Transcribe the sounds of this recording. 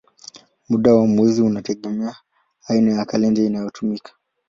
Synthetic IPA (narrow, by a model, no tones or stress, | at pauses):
muɗawamwɛziunatɛɠɛmɛaː | inajakalɛndɛinajɔtʰumikʰḁ